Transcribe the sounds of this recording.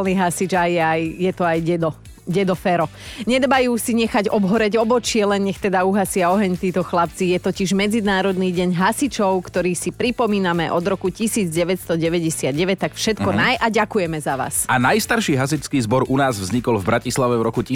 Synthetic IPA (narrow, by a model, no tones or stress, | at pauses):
lniɦasid͡ʒajɛajjɛt̪ɔajɟɛd̪ɔ | ɟɛd̪ɔfɛɾɔ | ɲɛd̪bajuːsiɲɛxaɟɔbɦɔɾɛɟɔbɔt͡ʃɪɛlɛnɲɛxt̪ɛd̪auɦasɪaɔɦɛɲt̪iːt̪ɔxlap̚t͡sijɛt̪ɔciʒmɛd͡zid̪aːɾɔd̪niːɟɛɲɦasit͡ʃɔʊkt̪ɔɾiːsipɾipɔmiːnamɛʔɔd̪ɾɔkucisiːd͡zɟɛʋɛtst̪ɔɟɛʋɛɟɛsɪad̪ɟɛʋɛc̚t̪akfʃɛt̪kɔnajʔaɟakujɛmɛzaʋa̰ːsanajst̪aɾʃiːɦas̬it͡ʃskiːzbɔɾunaːzvzɲikɔlvbɾacislaʋɛvɾɔkuc